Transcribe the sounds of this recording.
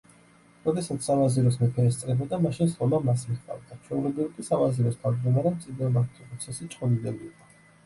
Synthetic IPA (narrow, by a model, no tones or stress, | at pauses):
ɾɔd̪ɛsat̪ssavaziɾɔs̬mɛpʰɛɾɛst̪sʼɾɛbɛd̪amaʃinslɔmamas̬miχt̪ʼa̰vd̪at͡ʃʰwɛulɛbilˠkʼisavaziɾɔst̪ʰavd͡ʒd̪ɔmaɾɛmt̪sʼid̪iɔmaɾt̪ʰipʼɾɔt̪sʰɛsit͡ʃʼqʼɔd̪id̪ɛbiːqʼɔ